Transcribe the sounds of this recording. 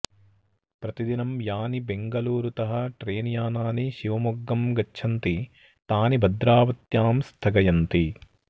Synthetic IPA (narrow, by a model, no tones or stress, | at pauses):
pɾɐt̪id̪inɐmjaːnibeŋɡɐluːɾut̪ɐɦɐʈɾeːnijaːnaːniʃiʋɐmuɡːɐmɡɐt͡ʃːt͡ʃʰɐnt̪i | t̪aːnibʱɐd̪ɾaːʋɐt̪jaːmst̪ʰɐɡɐjɐnt̪i